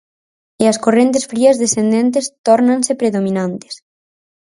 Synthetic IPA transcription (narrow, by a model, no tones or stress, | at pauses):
eɐskorent̪̬esfɾiɐzðesθend̪ent̪est̪ɔɾnãnsepɾeðomĩnãnt̪e̥s